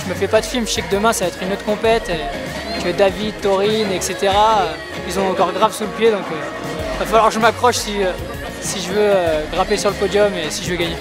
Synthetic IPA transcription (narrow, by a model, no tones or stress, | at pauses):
ʒ̥əməfɛpad̪əfilməʃɛkd̪əmɛ̃savaɛt̪χynot̪χkɔ̃pɛt̪e | t̪yɛd̪avid̪̚t̪ɔʁinɛkset̪eʁaø | ilzɔ̃ɑ̃kɔʁɡʁavsuləpjed̪ɔ̃kø | ivafalwaʁkəʒəmakχɔʃsiø | siʒəvøøɡʁapesyʁləpɔd̪jɔmesiʒəvəɡaɲe